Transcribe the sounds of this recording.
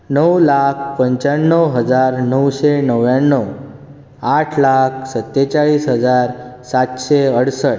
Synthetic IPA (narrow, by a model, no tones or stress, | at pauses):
nəwlakʰpəɲt͡ɕaɳːəwɦəd͡zaɾnəwɕenəwjanːəw | aʈʰlak̚ʰsət̪ːet͡ɕaɭiːsɦəd͡zaɾsat̪ɕeəɽsəʈ